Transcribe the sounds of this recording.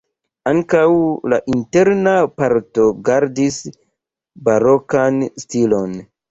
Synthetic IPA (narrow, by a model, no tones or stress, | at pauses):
aŋkawla̰ʔinte̞ɾnapaɾto̞ɡaɾdis | baɾo̞kanstilo̞n